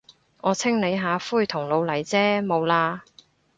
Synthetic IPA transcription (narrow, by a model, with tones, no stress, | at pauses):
ŋɔː˨˧t͡sʰɪ˥ŋne˨˧jɦaː˨˧fuː˥˩jt̪ʰʊ˨˩ŋlo˨˧wlɐ˨˩jt͡sɛː˥mo˨˧wlaː˧